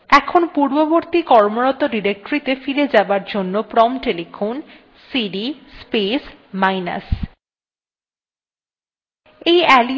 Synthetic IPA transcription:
ɛkʰonpuɾboboɾt̪ikɔɾmoɾɔt̪oɖiɾek̚ʈoɾit̪efiled͡ʑabaɾd͡ʑonːopɾɔmʈelifon | siɖispesmajna̰s | ejɛli

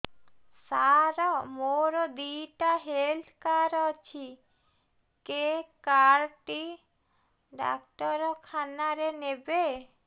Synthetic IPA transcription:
saɾɔmoɾɔd̪iʈaɦelt̪kaɾɔt͡ʃʰi | kekaɾʈi | ɖa̰kʈɔɾɔkʰanaɾenebe

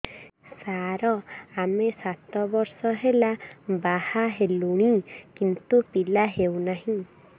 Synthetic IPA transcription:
saɾɔamesat̪ɔbɔɾsɔɦelabahaɦeluɽ̃ikint̪upilaɦewnaɦĩ

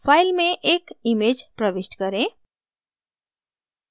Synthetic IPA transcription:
pʰailmẽʔekimed͡ʒpɾəʋesʈkəɾẽ

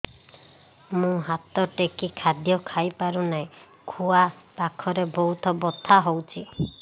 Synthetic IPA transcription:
mũɦat̪ɔʈekikʰad̪jɔkʰajpaɾunaĩ | kʰuapakʰɔɾebɔut̪ʰɔbɔt̪ʰːaɦowt͡ʃʰi

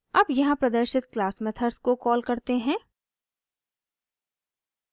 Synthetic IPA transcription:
ɐbjɐɦãpɾɐd̪əɾʃɪt̪klaːsmɛt̪ʰəɾskokɔːlkɐɾt̪eɦɛ̃ː

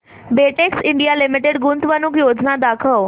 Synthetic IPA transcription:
beʈeksiɳɖijalimiʈeɽɡunt̪ʋənukjod͡znad̪akʰəʋ

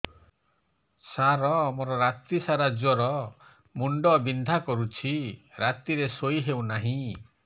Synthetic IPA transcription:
saɾɔmoɾɔɾat̪isaɾad͡ʒɔɾɔ | muɳɖɔbind̪ʱakɔɾut͡ʃʰiɾat̪iɾesoiɦewnaɦĩ

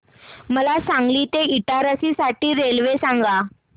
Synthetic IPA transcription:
məlasãŋɡliːt̪eiʈaɾəsisaʈiːɾelʋesaŋɡa

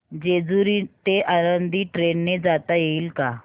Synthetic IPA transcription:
d͡ʑed͡zuɾit̪eʔaɾənd̪ʱiːʈɾenːed͡zat̪ajeiːlka

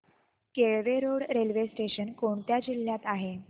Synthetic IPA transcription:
keɭʋeɾoɽɾelʋesʈeɕənkoɳt̪jad͡ʑil̤ːjat̪aɦe

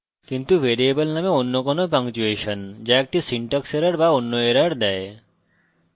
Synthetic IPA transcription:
kint̪uvʱeɾiebolnameonːokɔnopaŋt͡ɕueʃond͡ʑaek̚ʈisiɳʈakseɾaɽbaonːoeɾaɽd̪ɛe

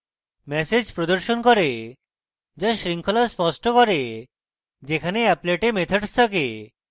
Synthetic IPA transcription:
mɛsed͡ʒpɾod̪ɔɾʃonkɔɾe | d͡ʒaʃɾiŋkʰɔlaspɔsʈɔkɔɾe | d͡ʒekʰaneɛpleʈemet̪ʰɔɖst̪ʰɔke

